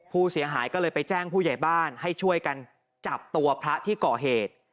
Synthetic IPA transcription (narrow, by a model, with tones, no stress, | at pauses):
pʰuː˥˩si˩˦ɐɦaː˩˦jkɔː˥˩lɤː˧jpa˧jt͡ɕɛː˥˩ŋpʰuː˥˩ja˨˩jbaː˥˩nha˥˩jt͡ɕʰu˥˩əjka˧n | t͡ɕa˨˩p̚t̪u˧ɐpʰɾa˦˥t̪ʰiː˥˩kɔː˨˩ɦeː˨˩t̪̚